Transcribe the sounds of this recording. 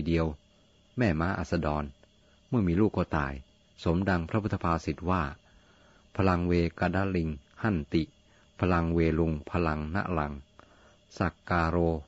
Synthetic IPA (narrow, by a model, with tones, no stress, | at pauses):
di˧əw | mɛː˧˩maː˧˥ʔa̰ː˨˩t̪̚sa˧dɔː˧n | mɯ˥˩miː˧luː˥˩kːɔː˧˩t̪a̰ː˨˩j | so˩˦mda˧ŋpʰɾa˦˥pʰu˥˩t̪ʰːa˧pʰaː˧si˨˩t̪̚waː˥˩ | pʰa˧la˧ŋweː˧kaː˧daː˦˥˩li˧ŋha˧˥˩nt̪i˨˩ | pʰa˧la˧ŋweː˧lu˧ŋpʰa˧la˧ŋna̰˧˥ʔla̰˨˧˦ŋ | sa˧˩kːaː˧ɾoː˧